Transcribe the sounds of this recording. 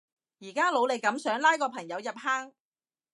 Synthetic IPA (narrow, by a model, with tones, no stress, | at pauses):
jiː˨˩kaː˥lo˨˧wle˨˧jkɐ˨˥msœː˨˥ŋlaː˥jkɔː˧pʰɐ˨˩ŋjɐ˨˧wjɐ˨p̚haː˥ŋ